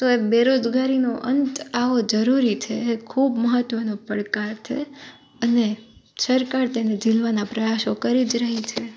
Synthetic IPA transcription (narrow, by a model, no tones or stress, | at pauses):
t̪oebeɾod͡ʒɡaɾinoʔənt̪aʋod͡ʒəɾuɾit͡ʃʰeːkʰubməɦət̪ʋənopəɽkaɾt͡ʃʰḛ | əne | səɾkaɾt̪ened͡ʒilʋanapɾəjaʃokəɾid͡ʒɾəɦit͡ʃʰe